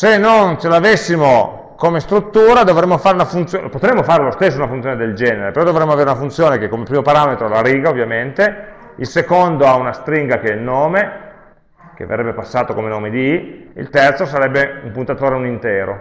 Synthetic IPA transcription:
senːont͡ʃelavesːimo | komest̪ɾut̪ːuːɾad̪ovɾemːofaːɾeunafunt̪sjopot̪ɾemːofaːɾelost̪esːounafunt̪joned̪eld͡ʒɛːneɾepeɾɔd̪ovɾemːoaveːɾeunafunt̪sjoːnekekːomepɾiːmopaɾaːmet̪ɾolaɾiːɡaovːjament̪e | ilsekond̪oaunast̪ɾiŋɡakɛilnoːme | k̟ḛvḛrːɛbːepasːaːt̪okomenoːmed̪iḭlt̪ɛrt̪sosaɾɛbːeumpunt̪at̪oːɾeunint̪ɛːɾo̰

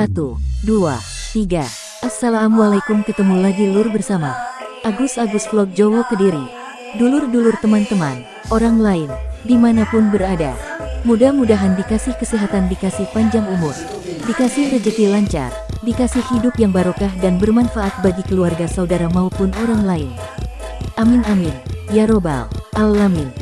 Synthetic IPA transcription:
at̪udua̰ | t̪iɡa | ʔasalaːmwalaikʊnkət̪əmulaɡilʊrbərsamaʔaɡʊsaɡʊsflɔk̚d͡ʒowokədiɾi | dulʊrdulʊrt̪əmant̪əman | ʔoɾaŋlaɪndimanapʊnbəɾada̰mudahmudaɦandikasɪhkəsiɦat̪andikasɪhpaɲd͡ʒaŋumʊs | dikasɪhrəd͡ʒət̪ilaɲt͡ʃa̰rdikasɪhhidʊpjaŋbaɾokahdanbərmanfaʔat̪̚baɡikəluarɡasaudaɾamaupʊnoɾaŋlaɪn | ʔamɪnamɪnjaɾoba̰lʔalːamɪn

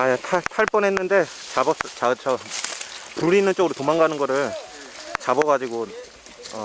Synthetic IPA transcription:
ajatʰatʰaɭp͈ʌnɦe̞nːɯnde̞ | t͡ɕabʌs͈t͡ɕat͡ɕʰʌ | puɾinɯnt͡ɕ͈oɡɯɾotomaŋɡanɯnɡʌɾɯɭ | t͡ɕabʌɡad͡ʑiɡo | ʌ

